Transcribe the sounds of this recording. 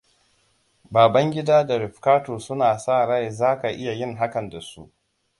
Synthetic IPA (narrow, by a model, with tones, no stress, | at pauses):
baː˨bɐ˦ŋɡʲɪ˦daː˦da˨ɾɪ˨ɸkaː˦toː˨sʊ˦naː˨saː˦˨ɽa˦jzaː˦ka˨ʔɪ˦ja˨jɪ˦˨ŋɦa˦kɐ˨nda˨sṵ˦ʔ